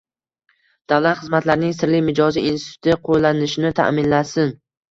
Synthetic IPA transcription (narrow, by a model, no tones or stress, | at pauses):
d̪̥avlat̪χɨzmat̪laɾnɪŋsɪɾlɪjmɪd͡ʒɒziinsɪ̥t̪ʰʊ̥t̪ʰɪqʰollːanɪʃɪnɪt̪ʰa̰ʔmɪnlasɪn